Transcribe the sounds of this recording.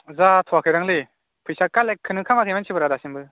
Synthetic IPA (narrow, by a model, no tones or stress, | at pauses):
zatʰɔakʰɯjɾaŋlɯ | pʰɯjsakːalekʰːɯnɯkʰamakʰejmant͡ʃʰibɯɾadasinbɯ